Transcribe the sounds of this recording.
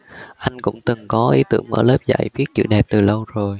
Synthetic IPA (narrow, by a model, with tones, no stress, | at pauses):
ʔa˧jŋ̟kʊ̰˧˥wŋ͡mt̪ɨ˨˩ŋkɔ˨˦ʔi˨˦t̪ɨ̰˧˩əŋʔəː˧˩ləː˦˥p̚za̰˧˨jvi˦˥ət̚t͡ɕɨ̰˧˩ɗɛ˨˩p̚t̪ɨ˨˩lə˧wzo˨˩j